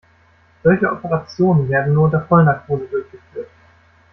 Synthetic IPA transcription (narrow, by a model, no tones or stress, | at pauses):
z̥ɔlçəʔɔpəʁat͡sjoːnənveːɐdn̩nuːɐdeːɐfɔlnakʰoːzədʊɐçɡ̥əfyːɐt